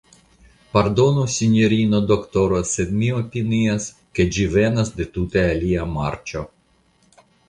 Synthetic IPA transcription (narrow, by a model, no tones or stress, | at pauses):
paɾd̪onusʲinʲoɾʲinod̪okt̪oɾosed̪mʲiopʲinias | ked͡ʒivenasd̪et̪ut̪ealʲiamaɾt͡ʃo